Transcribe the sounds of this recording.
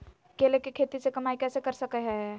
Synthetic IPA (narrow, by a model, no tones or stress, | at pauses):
kelekikʰet̪isekəmajkɛsekəɾsəkɛɦɛ